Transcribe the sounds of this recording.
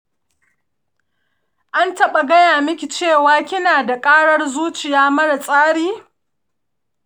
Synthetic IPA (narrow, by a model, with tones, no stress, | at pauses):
ʔa˦ntɐ˦ɓa˨ɡɐ˦jaː˨mɪ˦kʲi˨t͡ʃeː˦˨waː˦kʲɪ˦naː˨da˨kʼaː˦ɽɐ˦rzuː˦t͡ʃɪ˨jaː˦mɐ˦ɽa˨sʼaː˦ɽiː˦